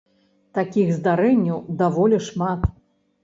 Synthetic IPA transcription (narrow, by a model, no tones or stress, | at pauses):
t̪akʲiɣzd̪aɾɛnʲːɐwd̪avɔlʲɛʂmat̪